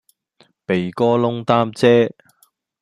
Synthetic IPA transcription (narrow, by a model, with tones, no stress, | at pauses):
pe˨jkɔː˥lʊ˥ŋt̪aː˥mt͡sɛː˥